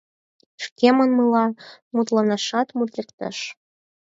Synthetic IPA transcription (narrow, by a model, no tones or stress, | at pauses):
ʃkʲemə̆nmɨlɑmut̪lɑnɑʃɑt̪mut̪lʲɘkt̪ə̰ʃ